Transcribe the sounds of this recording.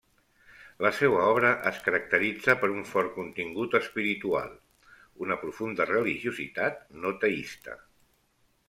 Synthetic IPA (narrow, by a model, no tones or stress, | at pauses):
ləsɛwəɔβ̞ɾəʔəskəɾək̚t̪əɾid͡zəpəɾuɱfɔɾkunt̪iŋɡut̪əspiɾit̪ua̰lˠ | unəpɾufund̪ərəliʒiuzḭt̪at̪̚not̪əist̪ə̰